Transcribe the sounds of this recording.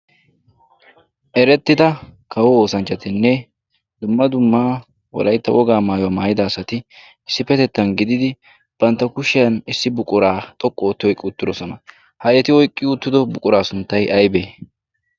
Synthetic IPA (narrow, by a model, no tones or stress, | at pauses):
ʔɛɾɛt̪ːɪd̪ɐkɐwɔoːsɐnt͡ʃʼːɐt̪ɪnːɛ | d̪ʊmːɐd̪ʊmːaː | wɔ̰lɐjt̪ːɐwɔɡaːmaːjwamaːjɪd̪ɐːsɐt̪ɪ | ɪsːɪfɛt̪ɛt̪ːɐnɡɪd̪ɪd̪ɪ | b̥ɐnt̪ːɐkʊʃɪjɐnɪsːɪbʊkʼʊɾaːt̪ʼɔkʼːɔoːt̪ːɪwɔjkʼːɪʊt̪ːɪd̪ɔsɔnɐ | hɐjɛt̪ɪwɔjkʼːɪʊt̪ːɪd̪ɔbʊkʼʊɾaːsʊnt̪ːɐjʔɐjbeː